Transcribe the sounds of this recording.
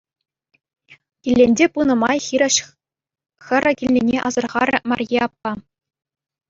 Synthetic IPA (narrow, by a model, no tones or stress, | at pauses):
kʲilʲːenʲdʲepunɤ̆mɑjxʲiɾʲɘ̆ɕ | xʲɘ̆ɾʲɘ̆kʲilːʲenʲeʔɑzɤ̆rʁɑɾʲɘ̆mɑ̰rʲjeɑpːɑ